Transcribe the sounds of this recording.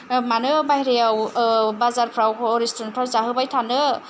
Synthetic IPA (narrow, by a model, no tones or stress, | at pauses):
manɯbajɾejawbazaɾpʰɾawʰɔɾistʰɔnpʰɾawzaɦɯbajtʰanɯ